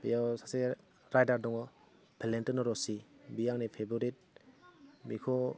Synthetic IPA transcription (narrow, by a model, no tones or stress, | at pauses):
bijawsase | ɾajdaɾdɔŋɔ | bʰelentɔnɔɾɔsibijaŋnipʰebɔɾit̚ | mikʰɔ